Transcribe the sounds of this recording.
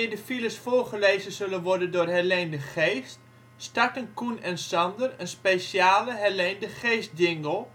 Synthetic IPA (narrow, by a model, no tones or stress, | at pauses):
ɪdəfiləsfoːɹχəleːzənzɵlənʋɔɹdəndʊːrɦɛɹlɛndəχeːst | staɹtənkunɛnsɑndərənspesjaːləɦɛɹlendəχeːst̚dɪŋɡəlˠ